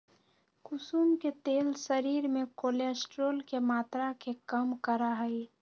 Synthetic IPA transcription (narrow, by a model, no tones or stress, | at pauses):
kʊsuːmket̪eːlsəɾiːɾmẽkoːleːsʈɾoːlkemaːt̪ɾakekəmkəɾaɦɛi